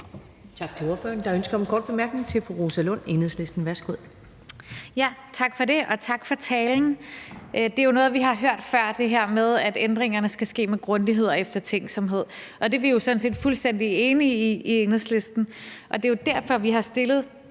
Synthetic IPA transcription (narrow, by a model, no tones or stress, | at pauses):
t͡sʰɑ̈ɡ̥̚t͡sʰe̝o̝ɐfø̰ːɐnd̥ɑ̈ønsɡ̥ɐɒ̽mnɡ̥ɒ̰ːd̥̚b̥e̝mæɐɡ̥ne̝ŋt͡sʰe̝lfoʁo̝sælɔ̽n̰enð̩ˠsle̝sd̥n̩ʋæɐsɡ̥uð̰ˠ | jæt͡sʰɑ̈ɡ̥fɒ̽ɾe̝ɒ̽t͡sʰɑ̈ɡ̥fɒ̽t͡sʰɛːln̩ | d̥e̝jo̝nɔ̽ːð̩ˠʋiɦɑ̈ɦøɐ̰d̥fɶɐ̰d̥e̝ɦæɐ̰með̞ˠæd̥end̥ʁeŋɐnəsɡ̥æsɡ̥e̝̰ːmeɡ̥ʁɔ̽nd̥iɦe̝ð̞̰ˠefd̥ɐt͡sʰeŋ̰ɡ̥sɒ̽mɦe̝ð̞̰ˠ | ʔɒ̽d̥e̝ʋijo̝sɒ̽dn̩se̝̰ːd̥fulsd̥en̰d̥ie̝ːniːienð̩ˠsle̝sd̥n̩ʔɒ̽d̥e̝jo̝d̥æɐ̰fɒ̽ʋiɦɑ̈sd̥e̝lð̞̩ˠ